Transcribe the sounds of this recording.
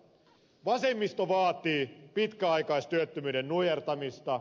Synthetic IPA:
ʋɑsemːist̪oʋɑːt̪iːpit̪kæɑikɑist̪yøt̪ːømyːdennujert̪ɑmist̪ɑ

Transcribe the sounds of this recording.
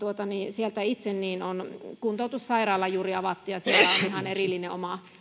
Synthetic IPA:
t̪uot̪ɑniːsielt̪æit̪senniːnonkunt̪oˑut̪ussɑirɑːlːɑjuːriɑʋɑt̪ːujɑsielæolihɑnerilːineomɑ

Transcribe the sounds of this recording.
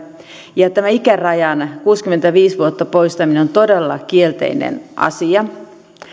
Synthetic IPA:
jɑt̪æmæikærɑjɑnkuːskymːent̪æʋiːsʋuot̪ːɑpoist̪ɑmineont̪odelːɑkielt̪ḛinḛnʔɑ̰siɑ

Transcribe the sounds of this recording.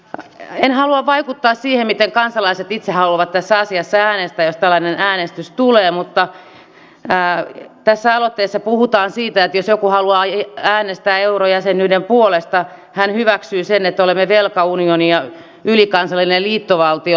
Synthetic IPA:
enhɑluɑʋʋɑikut̪ːɑːssiːhemmit̪eŋkɑnsɑlɑiset̪it̪sehɑluɑʋɑt̪t̪æsːɑsiɑsːææːnest̪æjost̪ælːɑnenæːnest̪yst̪uleːmut̪ːɑ | t̪æsːæɑlot̪ːeːsːɑpuhut̪ɑːnsiːt̪æet̪josjokuhɑluɑːæːnest̪æːeurojæsenydempuolest̪ɑ | hænhyʋæksyːsenet̪ːolemːeʋelkɑunionijɑ | ylikɑnsɑlːinelliːt̪ːoʋɑlt̪io

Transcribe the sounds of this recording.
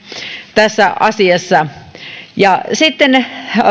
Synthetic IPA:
t̪æsːæʔɑsiɑsːɑ | jɑsit̪ːen

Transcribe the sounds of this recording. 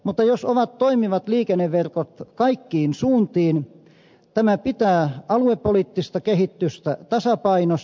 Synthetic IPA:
mut̪ːɑjosoʋɑt̪toimiʋɑt̪liːkenːeʋʋerkot̪kɑikːiːnsuːnt̪iːn | t̪æmæpit̪æːɑluepːoliːˑt̪ːist̪ɑkehit̪ːyst̪æt̪ɑsɑpɑinos

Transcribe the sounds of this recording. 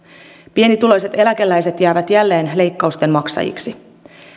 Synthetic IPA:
pie̞nit̪ulo̞jse̞t̪e̞læk̟e̞lːæjse̞t̪jæːʋæt̪jælːe̞ːnle̞jkːɑust̪e̞mmɑksɑ̰jḭksi

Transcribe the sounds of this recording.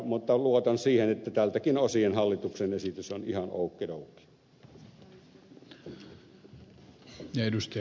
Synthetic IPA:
mut̪ːɑluot̪ɑnsiːhenet̪ːæt̪ælt̪ækinosienhɑlːit̪uksenesit̪ysonihɑno̰ˑukːiroˑukːˑi̥ | edust̪

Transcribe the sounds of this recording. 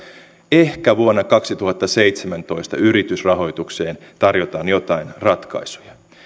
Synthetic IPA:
ehkæʋuonːɑkɑksit̪uhɑt̪ːɑse̞ijt̪semænt̪o̞ist̪ɑ̰yɾit̪ysrɑɦo̞jt̪ukse̞ːnt̪ɑrjot̪ɑːnjo̞t̪ɑinrɑt̪kɑ̰isu̥jɑ

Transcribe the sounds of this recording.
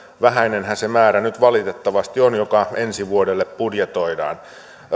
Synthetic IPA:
ʋæɦæinenhæsemæːɾænyt̪ʋɑlit̪et̪ːɑʋɑst̪ionjokɑensiʋuodelːeppudjet̪o̞idɑ̰ːn

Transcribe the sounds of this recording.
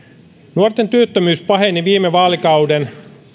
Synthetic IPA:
nuort̪ent̪yøt̪ːømyːspɑɦe̞niʋiːmeʋɑːlikɑwden

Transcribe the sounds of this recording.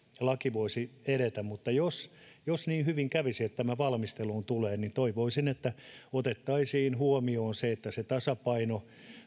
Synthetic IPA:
lɑkiʋoisieɾet̪æmmut̪ːɑjos | josniːhyʋiŋkæʋisiet̪t̪æmæʋɑlmist̪eluːnt̪uleːnnint̪oiʋoisinet̪ːæot̪et̪ːɑisiːnhuomioːnseet̪ːæset̪ɑsɑpɑino

